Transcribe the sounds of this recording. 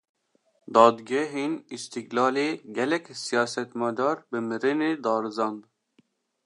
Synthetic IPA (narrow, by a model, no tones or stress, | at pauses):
d̪ɑːd̪ɡɛɦeːnist̪iɡlɑːleːɡɛlɛkʲsijɑːsɛt̪mɛd̪ɑːɾbɨmɨɾɨneːd̪ɑːɾɨzɑnd̪